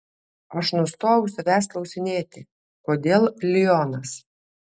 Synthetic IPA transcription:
ɐʃnʊst̪oːjʊsʲɐʋʲæːsklˠɐʊsʲɪnʲeːt̪ʲɪ | koːd̪ʲeːlˠlʲɪjɔːnɐs

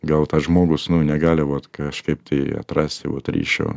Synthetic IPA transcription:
ɡɐlˠt̪ɐʒmoːɡʊsnʊnʲɛɡɑːlʲɪʋot̪kɐʃkɐɪp̚t̪ʰɐɐ̰t̪ɾɑːsʲt̪ʲɪʋo̰t̪ɾʲḭʃʲo̰

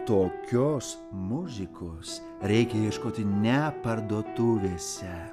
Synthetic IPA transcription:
t̪oːkʲoːs | mʊzʲɪkoːs | ɾʲɛɪkʲɛjiɛʃkoːt̪ʲɪnʲɛpɐɾd̪oːt̪ʊʋʲeːsʲɛ

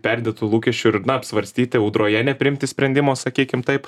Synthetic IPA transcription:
pʲɛɾʲd̪ʲeːt̪ʊlˠuːkʲɛʃʲt͡ʃʲʊɪnɐɐpʲsʲʋɐɾʲsʲt̪ʲiːt̪ʲɪɛʊd̪ɾoːjɛnʲɛpʲɾʲɪɪmʲt̪ʲɪsʲpʲɾʲɛnʲd̪ʲɪmoːsɐkʲiːkʲɪmt̪ɐɪp

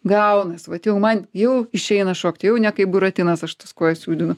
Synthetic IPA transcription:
ɡɐʊnɐsʋɐt̪ʲjɛʊmɐnjɛʊɪʃʲɛɪnɐʃoːkt̪ʲjɛʊnʲɛkɐɪpbʊɾɐt̪ʲɪnɐsɐʃt̪ɐskoːjɛsʲuːd̪ʲɪnʊ

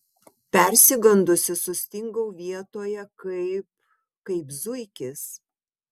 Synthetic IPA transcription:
pʲɛɾʲsʲɪɡɐnd̪ʊsʲɪsʊsʲt̪ʲɪŋɡɐʊʋʲiɛt̪oːjɛkɐɪp | kɐɪpzʊɪkʲɪs

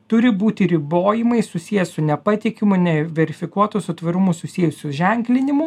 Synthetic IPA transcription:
t̪ʊɾʲɪbuːt̪ʲɪɾʲɪboːjɪmɐɪsʊsʲijɛssʊnʲɛpɐt̪ʲɪkʲɪmʊnʲɛʋʲɛɾʲɪfʲɪkuɔt̪usʊt̪ʋɐɾʊmʊsʊsʲiɛjʊsʲʊʒʲɛŋʲklʲɪnʲɪmʊ

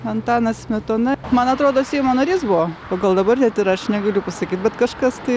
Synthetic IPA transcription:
ɐnt̪ɑːnɐsmʲɛt̪oːnɐmɐnɐt̪ɾoːd̪oːsʲɛɪmoːnɐɾʲiːsbʊoːpoːɡɐlˠd̪ɐbɐrnʲɛt̪ɪɾɐʃnʲɛɡɐlʲʊpɐsɐkʲiːt̪̚bʲɛt̪kɐʃkɐst̪ɐɪ

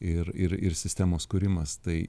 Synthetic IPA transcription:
ɪɾɪɾɪɾsʲɪsʲt̪ʲæːmoːskʊɾʲɪmɐst̪ɐɪ

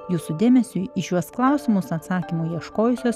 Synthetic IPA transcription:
juːsud̪ʲeːmʲɛsʲʊɪʃʲuɔsklˠɐʊsʲɪmʊsɐt̪sɑːkʲimʊjiɛʃkoːjʊsʲoːs

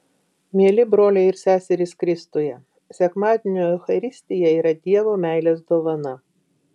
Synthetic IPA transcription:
mʲiɛlʲɪbɾoːlʲɛɪɾsʲæːsʲɛɾʲɪskɾʲɪst̪oːjɛ | sʲɛkmɑːd̪ʲɪnʲoːjɛxɐɾʲɪsʲt̪ʲɪjɛiːɾɐd̪ʲiɛʋoːmʲæˑɪlʲeːs̬d̪oːʋɐnɐ

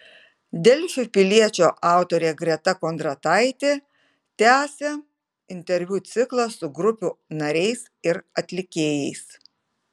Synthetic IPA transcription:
d̪ʲɛlʲʃʲʊpʲɪlʲiɛt͡ʃʲoːʔɑˑʊt̪oːɾʲeːɡɾʲɛt̪ɐkoːnt̪ɾɐt̪ɐɪt̪ʲeː | t̪ʲæːsʲe | ɪnʲt̪ʲɛɾʲʋʲuːt̪sʲɪklˠɐsʊɡɾʊpʲuːnɐɾʲɛɪs | ɪɾɐt̪ʲlʲɪkʲeːjɛɪs

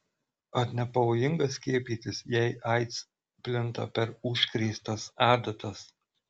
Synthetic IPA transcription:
ɐt̪nʲɛpɐʋoːjɪŋɡɐsʲkʲiɛpʲiːt̪ʲɪsjɛɪʔɑɪt̪s | pʲlʲɪnˑt̪ɐ̰pʲɛɾʊʃʲkɾʲɛɪst̪ɐsɑːd̪ɐt̪ɐs

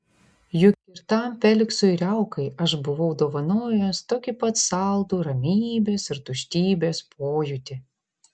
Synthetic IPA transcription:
jʊkʲkʲɪɾt̪ɑmpʲɛlʲɪksʊɪɾʲɛʊkɐɪɐʃbʊʋɐʊd̪oːʋɐnoːjoːst̪oːkʲɪpɐt̪sɑlˠd̪uːɾɐmʲiːbʲeːsɪɾt̪ʊʃʲt̪ʲiːbʲeːspʰoːjʊt̪ʲɪ

